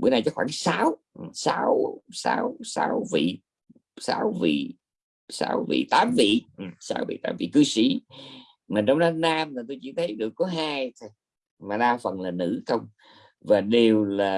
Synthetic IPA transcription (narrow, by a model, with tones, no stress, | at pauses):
ɓṵ˧˦na˨˧˩jt͡ɕɔ˨˦xwaː˧˩ŋsaː˨˦w | saː˨˦wsa̰ː˨˧˦wsa̰ː˧˦wvḭ˧˨ | saː˨˦wvḭ˧˨ | sa̰ː˧˦wvḭ˧˨t̪aː˨˦mvḭ˧˨ʔsaː˧˥wvḭ˧˨t̪aː˨˦mvḭ˧˨kɨ˧sḭ˧˥ | ma˨˩t͡ɕɔ˧wŋ͡mɗa˨˧˦naː˧mt̪a˨˩t̪o˧jt͡ɕḭ˧˥˦t̪ʰə˨˦jɗɨ˨˩əkːɔ˨˦ɦaː˧jt̪ʰj | maː˨˩ɗaː˧fə˨˩nlaː˨˩nɨ̰˧˥xə˧wŋ͡m | vaː˨˩ɗe˨˩wlaː˨˩